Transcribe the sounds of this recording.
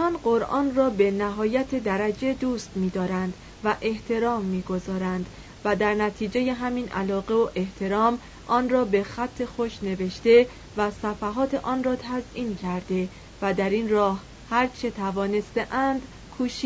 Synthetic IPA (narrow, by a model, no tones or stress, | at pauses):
ɒnɢoɾʔɒ̰ːnrɒːbe̞næɦɒːjæt̪ʰe̞d̪æɾæd͡ʒe̞d̪uːst̪miːd̪ɒːɾænd̪ | væʔe̞ht̪ʰe̞ɾɒːmːiːɡo̞zɒːɾænd̪̥ | væd̪æɾnæt̪ʰiːd͡ʒeje̞ɦæmiːnʔæ̰lɒːɣe̞oʔe̞ht̪ʰe̞ɾɒːm | ʔɒːnrɒːbe̞xæt̪ʰːe̞xoʃne̞ve̞ʃt̪e̞ | væsæfæɦɒːt̪ʰe̞ʔɒːnrɒːt̪ʰæzʔiːncʰæɾd̪e̞ | væd̪æɾiːnrɒːh | hæɾt͡ʃʰe̞t̪ʰævɒːne̞st̪e̞ʔænd̪̥ | kʰuːʃi